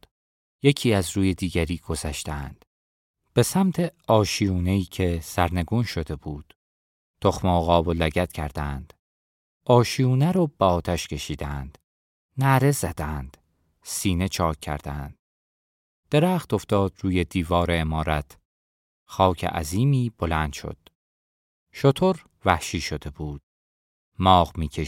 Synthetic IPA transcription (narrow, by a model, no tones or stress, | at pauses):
je̞cʰiːæzruːje̞d̪iːɡæɾiːɡ̥o̞zæʃt̪eænd̪̥ | b̥e̞sæmt̪ʰe̞ɒːʃijuːne̞iːcʰe̞sæɾne̞ɡuːnʃo̞d̪e̞buːd̪̥ | t̪ʰo̞xmeoɣɒːbolæɟæt̪cʰæɾd̪ænd̪̥ | ɒːʃijuːnæɾɔːb̥eɒːt̪ʰæʃcʰe̞ʃiːd̪æænd̪̥ | næɾe̞zæd̪̥ænd̪̥ | siːne̞t͡ʃʰɒːcʰːæ̰ɾd̪ænd̪̥̚ | d̪̥e̞ɾæːxt̪o̞ft̪ɒːd̪ɾuːje̞d̪iːvɒːɾeːmɒːɾæt̪ʰ | xɒːcʰḛʔæ̰ziːmiːb̥o̞lænd̪̥ʃo̰d̪̥ | ʃo̞t̪ʰoɾ | væhʃiːʃo̞d̪e̞buːd̪̥̚ | mɒːʁmiːkʰe